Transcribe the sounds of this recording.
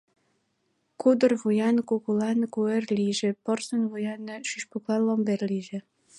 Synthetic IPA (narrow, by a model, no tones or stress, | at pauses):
kud̪ərβujɑnkukulɑnkuerliʒĕpɤrsə̆nβujɑnɤʃyʃpuklɑnlomberliʒĕ